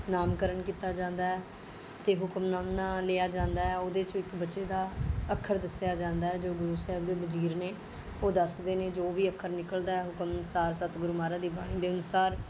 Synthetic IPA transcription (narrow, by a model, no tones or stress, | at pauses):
naːmkəɾəɳkiːt̪aːd͡ʒãːnd̪aːɦɛː | t̪eːɦʊkəmnaːmnãːleːaːd͡ʒãːnd̪aːɛːoːd̪eːt͡ʃõːɪkbətːʃeːd̪aːəkʰːəɾd̪əsjaːd͡ʒãːnd̪aːɦɛːd͡ʒoːɡʊɾuːsɛɦəbd̪eːbəd͡ʒiːɾneː | oːd̪əsd̪eːneːd͡ʒoːʋiːəkʰːəɾnɪkəld̪aːɛːɦʊkəmnsaːɾsət̪ɡʊɾumaːɾaːd̪iːbaːɽ̃ĩːd̪eːʊnsaːɾ